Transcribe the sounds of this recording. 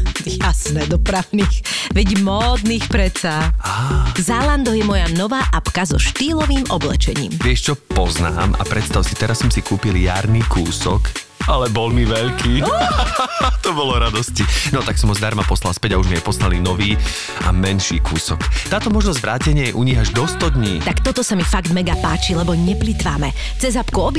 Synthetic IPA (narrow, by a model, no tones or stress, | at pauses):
jasnɛd̪ɔpɾaʊniːxʋɛɟmɔːd̪niːxpɾɛt̪saazaːland̪ɔjɛmɔjanɔʋaːʔapkazɔʃt̪iːlɔʋiːmʔɔblɛ̰t͡ʃɛɲḭːmʋɪɛʃt͡ʃɔpɔzna̰ːmʔa̰pɾɛt̪st̪aʊsit̪ɛɾasːɔmsikuːpiljaːɾniːkuːsɔk | ʔalɛbɔlmiʋɛʎkʰiː | t̪ɔbɔlɔɾad̪ɔscinɔt̪aksɔmɔzd̪aɾmapɔslalˠspɛɟauʒmiɛpɔsnalinɔʋiː | amɛnʃiːkʰuːsɔkt̪aːt̪ɔmɔʒnɔzɟʋɾaːcɛɲɪɛjɛʔuɲiɣaʒd̪ɔst̪ɔd̪ɲiːt̪akt̪ɔt̪ɔsamifaɡt̪mɛɡapaːt͡ʃilɛbɔɲɛplit̪ʋaːmɛ | t͡sɛzɦapkuɔbi